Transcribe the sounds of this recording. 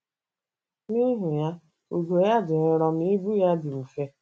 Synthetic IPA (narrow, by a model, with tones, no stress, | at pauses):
ni˦ɦʊ˨ja˦ | u˨ɡo˨ja˦dɪ˨ɾɪ˦ɾɔ˦m̩˦i˦bu˦ja˦dɪ˨u˨fe˦